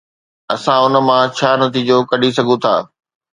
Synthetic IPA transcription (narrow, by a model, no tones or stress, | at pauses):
ɐsãʊnə̆mãt͡ɕʰaːnɐt̪iːd͡ʑokɐɗis̬ɐɡʱũt̪ʰa̰ː